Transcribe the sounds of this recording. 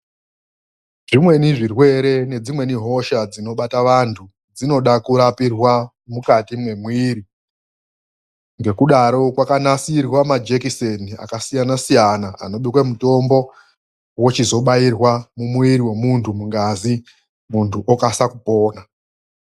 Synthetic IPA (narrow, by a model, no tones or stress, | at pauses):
ʐimwe̞niʐirwe̞ɾe̞ne̞d͡zimwe̞niɦo̞ʃad͡zino̞ɓataʋantʰu | d͡zino̞ɗakuɾapirwa | mukatimwe̞mwiːɾi | ŋɡe̞kuɗaɾo̞kwakanasirwamad͡ʒekisenia̰kasijanasijanaa̰no̞ɓikwemuto̞mbo̞ | wot͡ʃizo̞ɓairwamumwiɾiwe̞muntʰumuŋɡazi | muntʰuʔokasakupo̞ːna